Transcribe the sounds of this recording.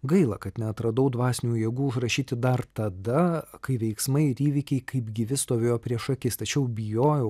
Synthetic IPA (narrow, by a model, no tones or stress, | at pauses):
ɡɐɪlˠɐkɐt̪nʲɛɐt̪ɾɐd̪ɐʊd̪ʋɑːsʲɪnʲuːjeːɡuːʊʃɾɐʃʲiːt̪ʲɪd̪ɐrt̪ɐd̪ɐkɐɪʋʲɛɪksmɐɪɪɾiːʋʲɪkʲɛɪkɐɪpɡʲɪʋʲɪst̪oːʋʲeːjoːpʲɾʲiɛʃɐkʲɪst̪ɐt͡ʃʲɛʊbʲɪjoːjɛʊ